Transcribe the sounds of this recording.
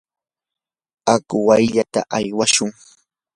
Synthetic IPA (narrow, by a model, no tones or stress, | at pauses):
akʊwajʎat̪a̰ʔajwaʃʊŋ